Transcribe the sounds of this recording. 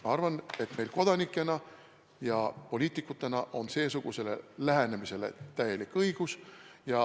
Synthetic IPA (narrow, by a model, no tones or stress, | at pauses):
ɑɑrvɑne̞t̪me̞jlko̞d̪̥ɑnikːˑe̞nɑ | jɑpo̞lʲiːt̪ːˑikːˑut̪ːˑe̞nɑʔo̞nse̞ːsuɡ̥use̞le̞̰læɦene̞mise̞le̞̰t̪æje̞likːɤiɡ̥usjɑ